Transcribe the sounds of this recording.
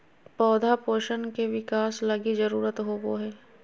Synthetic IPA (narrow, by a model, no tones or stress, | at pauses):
pɔːd̪ʱapoːʃənkeʋɪkaːslɐɡizɐɾuːɾət̪ɦoːboɦɛː